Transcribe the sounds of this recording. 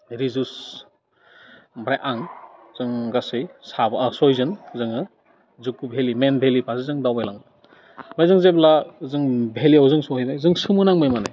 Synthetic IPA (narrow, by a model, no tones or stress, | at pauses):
ɾizus | mɾajʔaŋzɯŋɡasɯjsabsɔjzɯnzɯŋɯ | zukːubʱelimenbʱelipʰazɯzɯŋdawbajlaŋ | bajzɯŋzeblazɯŋbʱeliawzɯŋsɔhejdajzɯŋsɯmɯnaŋmajmana̰j